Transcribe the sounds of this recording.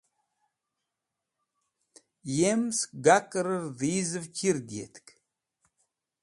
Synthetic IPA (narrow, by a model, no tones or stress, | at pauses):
jemsɡakʼɨɾɨrðizɨvkʲʰird̪jḛt̪ʰkʰʼ